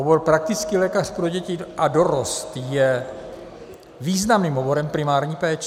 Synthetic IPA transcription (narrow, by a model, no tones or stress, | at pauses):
ɦoboɾpɾak̚t̪ɪt͡skiːlɛːkarpɾoɟɛcɪʔado̞ɾost̪jɛ | viːznamniːmɦobo̞ɾɛmpɾɪmaːɾɲiːpɛːt͡ʃ